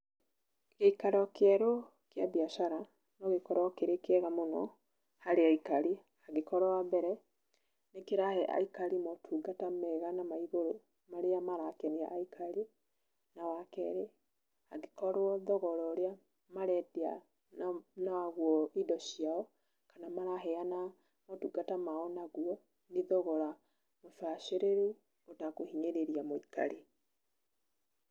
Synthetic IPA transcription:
ɣeikaɾɔkɛɾo | kjabiaʃaɾa | nɔɣekɔɾɔkeɾekɛɣamonɔ̰ | haɾeaikaɾi | aɣekɔɾɔwabɛɾɛ | nekeɾahɛʔa̰ikaɾimɔtʰuɡatamɛɣanamaiɣoɾo | maɾeamaɾakɛnia̰ʔaikʰaɾi | nawakɛ̰ɾe | aɡekɔɾwɔðɔɣɔɾɔoɾea | maɾɛdea̰ | nawaɣwɔidɔɕiaɔ | kanamaɾaɦɛana | mɔtuɡatamaɔnaɣwɔ | niðɔɣɔɾa | mofaʃeɾeɾu | otakohiɲeɾeɾiamoika̰ɾe

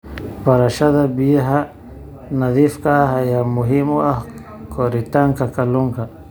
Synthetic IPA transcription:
paɾaʃad̪abiaɦa | naðifkaɦajamuɦimua | koɾit̪aŋkakaluŋka

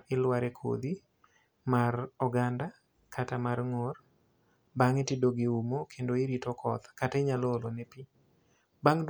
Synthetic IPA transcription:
ɪlwaɾɛkʰo̰d̪i | marɔɡanda | kʰatamarŋor | baŋetidoɡɪumokʰendoɪɾitokʰɔt̪katɛɲalɔlonɛpi | baŋd

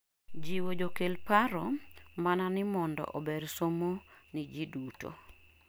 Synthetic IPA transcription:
d͡ʒiwod͡ʒokelpaɾɔmananɪmɔndɔ̰ʔɔbeɾsomonid͡ʒiduto̰

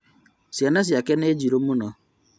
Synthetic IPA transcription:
sanas̬iakened͡ʒiɾomunɔ

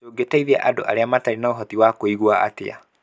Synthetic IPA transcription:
oːɡetaiðɛʔado̰ʔa̰ɾeamataɾinaoɦɔtiwakoiɣwaa̰tḛa̰

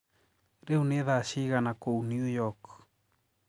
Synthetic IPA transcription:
ɾeuneðaʃiɣanakownjujɔk

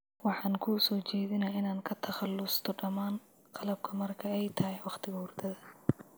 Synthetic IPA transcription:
wɑħɑːŋkʰuːsɔːt͡ʃɛːðɪnaɪnaːŋkʰɐt̪ʰɐχɑlːʊst̪ʰɔɖɐmaːn | qɑlɐb̚kʰɐmɐrkʰɐɛjt̪ʰɐɦɛwɑχt̪ʰɪɣɐhʊrt̪ʰɐðɐ

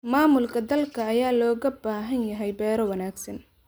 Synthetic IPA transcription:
maːmʊlkʰɐd̪ɐlkʰɐːjaːlɔːɣɐbaːɦɐnjɐɦɛjbɛːɾɔwɐnaːɡsɐn

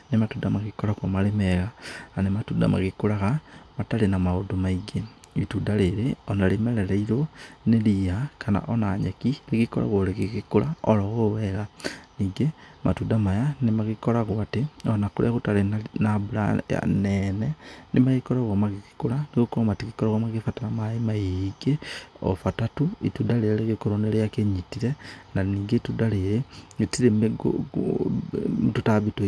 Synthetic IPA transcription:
nematudamaɣikoɾakwomalemɛɣaanematuda̰ma̰ɣikuɾaɣamatalenamaodomaiɡeβitudaleɾeonalemeɾeɾeiɾoneliakana̰ʔonaɲakiliɣikoɾa̰ɣoleɣiɣikuɾa̰olɔɣoweɣaniːɡema̰tudamajanemaɣikoɾaɣwateonakulʔekutalenaβula̰a̰nenenimaɣikolaɣomaɣiki̥kulanikukomatikikolaɣamaɣifatalamaimajiiɡeo̰fatatuḭtudalelekikoɾonelejakeɲitiɾenaniːɡetudaleleitiɾemɡ̰ | mututaβito

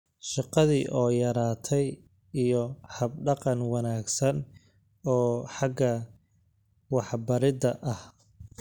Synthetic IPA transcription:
ʃɑqɑðiːʔɔːjɐɾaːt̪ʰɛj | ijɔhɐb̚ɖɑqɑnwɑnaːɡsɐn | ɔːħɑɡɐ | wɑħbɐɾɪd̪ɐʔɐh

